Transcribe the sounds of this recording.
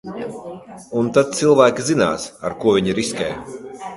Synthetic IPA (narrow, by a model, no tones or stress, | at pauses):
unt̪ad̪̚t̪silˠvæːkʲizina̰ːsa̰ɾkuɔviɲiɾiskʲɛ̰ː